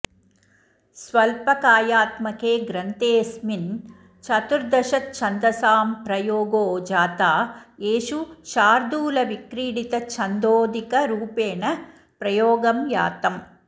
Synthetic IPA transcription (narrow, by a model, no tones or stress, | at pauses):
sʋɐlpɐkaːjaːt̪mɐkeːɡɾɐnt̪eːsmin | t͡ʃɐt̪uɾd̪ɐʃɐt̪t͡ʃʰɐnd̪ɐsaːmpɾɐjoːɡoːd͡ʒaːt̪aːeːʃuʃaːɾd̪uːlɐʋikɾiːɽit̪ɐt͡ʃʰɐnd̪oːd̪ikɐɾuːpeːnɐ | pɾɐjoːɡɐmja̰ːt̪ɐm